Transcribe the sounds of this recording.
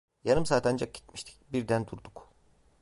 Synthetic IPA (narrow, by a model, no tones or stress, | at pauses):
janɯmsaːt̪ʰand͡ʒak̚ɟi̥t̪̚mi̥ʃt̪ʰi̥cbiɾd̪ænd̪uɾd̪uk